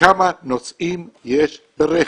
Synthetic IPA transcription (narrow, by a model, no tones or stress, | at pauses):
amanot͡sʔimjeʃ | beɾe